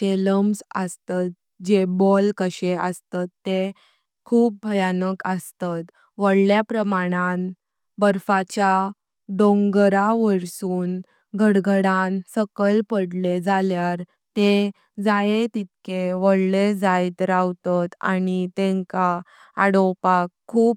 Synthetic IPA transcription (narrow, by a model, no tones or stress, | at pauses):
ʈeləmsəst̪at̪̚ | d͡ʑebɔlkəɕeəst̪at̪ːe | kʰuːp̚bʱəjanəkəst̪at̪ | ʋəɽljapɾəmaɽ̃ãn | bəɾfat͡ɕa | d̪õŋɡɾaʋəɾsuːn | ɡʱəɽɡʱəɽãnsəkəlpəɽled͡zaljaɾ | t̪e | d͡zajet̪it̪̚kʰeʋəɽled͡zajt̪ɾawt̪at̪a̰nit̪ɛ̃ŋka | aɽɔpakʰːuːp